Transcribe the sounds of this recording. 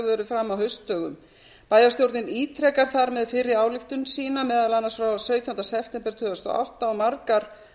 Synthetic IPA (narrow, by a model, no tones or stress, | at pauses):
ðʏɾʏfɾamːawɦœɥst̪œːɣʏm | paːjast̪jowɾt̪nɪniːt̪ʰɾɛkaɾ̥θaɾmɛðfɪɾɪaːwlɪht̪ʏnsiːnamɛːðalanːaɾsfɾawsœːɥt̪ʰjaunt̪asɛft̪ɛmpɛɾ̥t̪ʰʏːvast̪ɔ̰a̰wht̪aɔmaɾkaɾ̥